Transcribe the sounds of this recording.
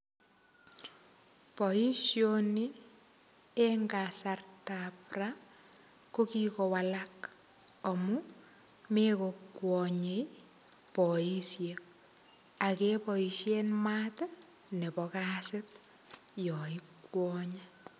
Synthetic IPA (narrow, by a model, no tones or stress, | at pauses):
pɔiʃjoni | eŋɡasartapra | kokikɔwalak | ɔmu | mekokwɔɲej | pɔisjek̚ | akepɔiʃjenmat | nepɔkasɪt | jɔikwɔːɲa